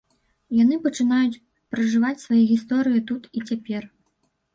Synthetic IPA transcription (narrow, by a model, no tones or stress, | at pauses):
janɨpɐt͡ʂɨnajut͡sʲ | pɾɐʐɨvat͡sʲsvajɛɣʲist̪ɔɾɨjit̪ut̪it͡sʲapʲɛr